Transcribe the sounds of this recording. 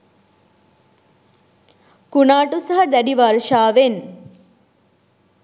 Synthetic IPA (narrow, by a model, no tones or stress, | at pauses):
kunaːʈusaɦɐd̪æɖiʋaɾʃaːʋen